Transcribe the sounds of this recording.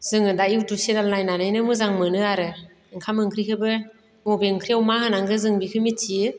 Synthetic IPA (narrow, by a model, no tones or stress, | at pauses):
zɯŋɯdajiwtusedalnajnanajnɯmɯzaŋmɯnɯaɾɯ | ŋkʰamɯŋkʰɾikʰɯbɯ | mubeɯŋkʰɾiawmahɯnaŋɡɯzɯŋbikʰɯmitʰiɯ